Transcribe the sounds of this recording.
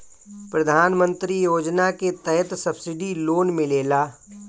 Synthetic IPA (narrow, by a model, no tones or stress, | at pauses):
pɾɐd̪ʱaːnmə̃nt̪ɾijoːd͡ʒnaket̪ɐjət̪sɐbsɪɖiloːnmẽleːlaː